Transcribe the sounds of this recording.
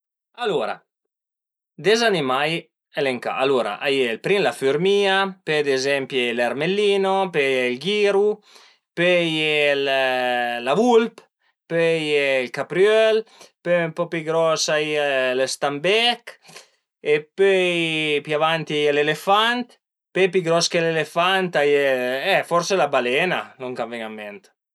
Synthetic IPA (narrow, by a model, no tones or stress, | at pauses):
aloɾa̰ | d̪ezanimaj | eleŋka̰ʔaloɾa̰ʔajelpɾinlafyɾmiːaped̪ezɛmpjelaɾmelːiːnopɛjilɡiːɾu | pøjel | lavulp | pøjeilkapɾjølpømpɔpiɡɾɔsaialest̪ambɛk | epøjpjavant̪iajelelefant̪ | pøpiɡɾɔskelelefant̪ajeɛfɔɾselabalɛna̰noŋkavɛŋamːɛnt̪